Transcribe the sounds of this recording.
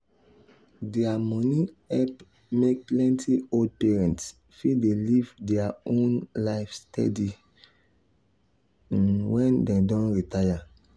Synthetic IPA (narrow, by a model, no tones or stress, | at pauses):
dɛamɔ̃ni | ɛp | mek̚plɛ̃ntʰiod̚pɛɹɛ̃nts | fidelivdɛaõnlaɪfstʰɛ̰di | wɛ̃ndɛ̃dɔ̃nɹitaja